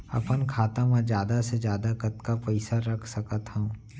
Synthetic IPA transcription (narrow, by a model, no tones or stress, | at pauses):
ɐ̰pənkʰaːt̪ãmẽd͡ʒjaːd̪ased͡ʒjaːd̪akɐt̪kapɐɪsaɾɐkʰsɐkət̪ɦɛũ